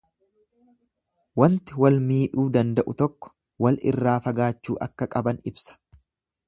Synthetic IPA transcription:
wɐnt̪ɪwɐlmiːᶑuːd̪ɐnd̪ɐʔʊt̪ɔkːɔ̥ | wɐlɪ̰rːaːfɐɡaːt͡ʃːuːʔɐkːɐkʼɐbɐnɪbsɐ̥

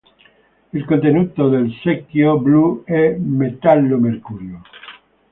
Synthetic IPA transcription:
elkont̪enut̪oðelsekjobluɛmet̪alːomeɾkuɾjo

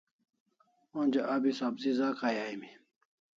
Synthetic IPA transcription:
õnd͡ʑeʔabisabzizaːkʰajajmi

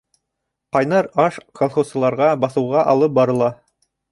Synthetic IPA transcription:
qɑjnɑɾɑʃkʰolˠχosɤ̆lˠɑɾʁɑbɑθɤ̆wʁɑʔɑlˠɤp̚bɑɾɤ̆lˠɑ

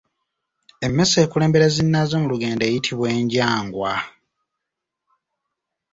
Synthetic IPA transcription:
e̞mːe̞se̞ːkule̞ːmbe̞ɾezinːazomuluɡe̞ːndeːjitʰiβwe̞ːɲɟaːŋɡwa

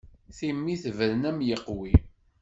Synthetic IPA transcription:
θimːiθvəɾnæmjəqwi

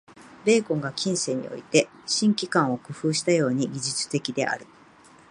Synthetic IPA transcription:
be̞ːkõ̞ŋɡakʲĩɰ̃se̞ɲ̟ḭo̞̰it̪e̞ | ɕĩŋkʲikãɰ̃o̞kɯ̟ɸɯ̟ːɕi̥t̪ajo̞ːɲ̟iɡʲiʑɨt͡sɨ̥t̪e̞kʲid̪e̞̰ʔa̰ɾɯ̟

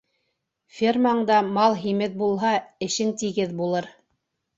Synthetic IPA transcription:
fʲirmaɴd̪ɑmɑlˠɦimɘð̚bulˠɦɑɘ̆ʃɘnt̪iɡɘðbulˠɤɾ

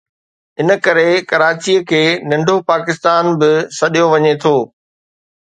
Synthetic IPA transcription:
ɪnə̆kɐɾekɐɾaːt͡ɕiəkʰeːnɐ̃ɳɖʱopaːkɪst̪aːnbɪsɐɗijoʋɐɲet̪ʰoː

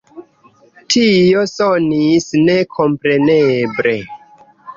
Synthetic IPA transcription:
tʰio̞sonisne̞kʰo̞mpɾe̞nebɾe̞

